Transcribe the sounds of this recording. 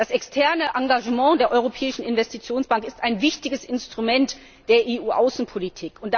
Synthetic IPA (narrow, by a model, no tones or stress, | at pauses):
d̥asɛkstʰɛɐnəʔaŋɡaʒəmɑ̃ːdeːɐʔɔʏʁopʰɛːɪʃn̩ɪnvɛstit͡sjoːnsb̥aŋkɪstaɪnvɪçtɪɡəsɪnstʁ̥umɛnt | d̥eːɐʔeːuːʔaʊsn̩pʰolitʰiːkʊntd̥